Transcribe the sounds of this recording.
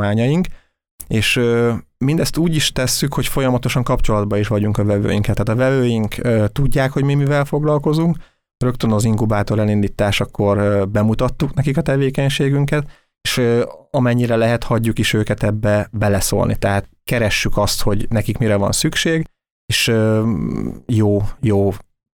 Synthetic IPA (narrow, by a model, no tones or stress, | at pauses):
aːɲɒjiŋk | eːʃømind̪ɛst̪uːɟiʃt̪ɛsːykho̞cfo̞jɒmɒt̪o̞ʃɒŋkɒpt͡ʃo̞lɒd̪bɒiʃʋɒɟuŋkɒvɛvø̰ːjiŋkɛt̪ːaːt̪ɒvɛvøːjiŋkøːt̪uɟːaːkho̞ɟmimivɛlfo̞ɡlɒlko̞zuŋk | rø̞kt̪ønɒziŋkubaːt̪o̞ɾɛlind̪iːt̪aːʃɒkːo̞rbɛmut̪ɒt̪ːuknɛkikɒt̪ɛveːkɛɲʃeːɡyŋkɛt̪ | eːʃøɒmɛɲːiɾɛlɛɦɛt̪hɒɟːukiʃøːkɛt̪ɛbːɛbɛlɛso̰ːlnḭt̪ɛɦaːt̪̚kɛɾɛʃːykɒst̪ho̞ɟnɛkikmiɾɛvɒ̰nsykʃeːɡ | eːʃø | joːjoː